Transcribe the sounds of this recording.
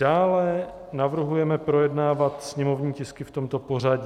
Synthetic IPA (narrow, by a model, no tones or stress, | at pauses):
aːlɛ | navr̩ɦujɛmɛpɾo̞jɛdnaːvat̪sɲɛmo̞vɲiːcɪskɪft̪o̞mt̪o̞po̞r̝aɟ